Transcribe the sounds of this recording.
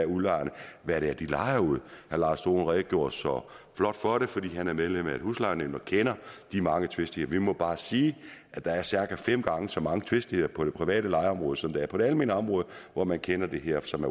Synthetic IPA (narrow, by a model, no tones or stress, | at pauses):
æɐulɑɪ̰nəʋæɐɾeæɐd̥ilɑ̈ɪɐuð̞̰ˠhælɑ̈ːsd̥o̝̰ːn̩ʁɛ̥ːɡ̥jo̝ɐ̰d̥sɒ | flɒ̽d̥fɒɾefɒ̽d̥ḭːhænæɐmeð̞ˠlemæe̝̥huslɑ̈ɪnem̰nɒ̽kʰenɐd̥imɑ̈ŋət͡sʰʋe̝sd̥ieɐʋimɔ̽b̥ɑ̈ːsiːʔæd̥ɑ̈æɐsæɐɡ̥æfem̰ɡ̥ɑ̈ŋəsɒ̽mɑ̈ŋət͡sʰʋe̝sd̥ie̝ð̰ˠɐpʰɒ̽d̥e̝pʰʁiʋɛ̰ːɾəlɑ̈ɪɐɒ̽mʁɔ̽ð̞ˠəsɒ̽md̥eæɐpʰɒɾe̝ælme̝ːnəɒ̽mʁɔ̽ːðˠʋɒmænkʰenɐd̥e̝ɦeɐ̰sɒ̽mæɐ